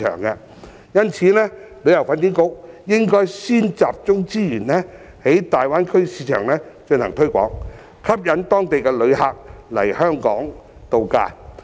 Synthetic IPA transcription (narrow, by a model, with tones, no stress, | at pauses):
œ̰ː˨˩ŋkɛ˧ | jɐ˥nt͡sʰiː˨˥nɛː˥lɵ˨˥jɐ˨˩wfaː˨˧nki˨˥nkʊ˨˥k̚jɪ˥ŋkɔː˥jsiː˥nt͡saː˨p̚t͡sʊ˥ŋt͡siː˥jyː˨˩nɛː˥ | he˨˥jt̪aː˨jwaː˥nkʰɵ˥ɥsiː˨˧˥t͡ʃʰœ̰ː˨˩ŋnɛː˥t͡ʃɵ˧nt̪ʰɐ˨˩ŋt̪ʰɵ˥ɥkʷɔ̰ː˨˥ŋ | kʰɐ˥p̚jɐ˨˥nt̪ɔː˥ŋt̪e˨jkɛ˧lɵ˨˧ɥhaː˨˩k̚lɐ̰˨˩jhœː˥ŋkɔː˨˥ŋt̪o˨˧wka̰ː˧˩